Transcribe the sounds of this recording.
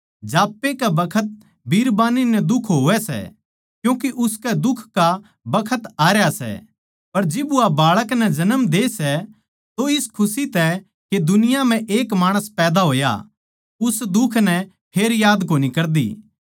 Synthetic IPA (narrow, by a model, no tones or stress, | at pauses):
d͡ʒaːpːekabɐkʰət̪̚ | bʱiːɾbaːninɛd̪ʊkʰɦoːɛsɛ̰ | kjũːkiʔʊskɛd̪ʊkʰka | bɐkʰət̪aːɾjasɛ̰ | pɐɾd͡ʒɪbuabaːɭəknɛd͡ʒɐnəmd̪eːsɛ | t̪oɪskʰʊsit̪ɛ | ked̪ʊnɪjam̤ɛ̃ʔeːkmaːɽ̃əspɛːd̪aɦoːja̰ | ʊsd̪ʊkʰnɛ | pʰeːɾjaːd̪koːnikɐɾd̪ḭː